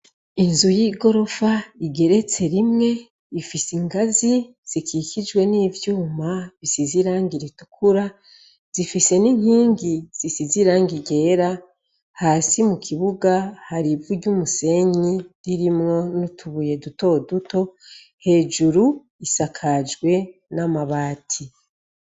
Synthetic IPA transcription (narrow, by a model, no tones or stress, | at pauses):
inzujiːɡo̞ɾo̞faiɡe̞ɾe̞t͡se̞ɾimŋe̞ | ifisiŋɡazi | z̥ikikid͡ʒwe̞niːvjuːmaβisiziɾaːŋɡiɾitu̥kʰuɾa | z̥ifise̞nin̥hiːŋɡiz̥isiziɾaːŋɡiɟe̞ːɾa | haːsimukʰiβuɡahaɾivuɟumuse̞ɲiɾiɾimŋo̞nutʰuβuje̞duto̞duto̞ | he̞ːd͡ʒuɾu | isakʰad͡ʒɡwe̞namaβaːtʰi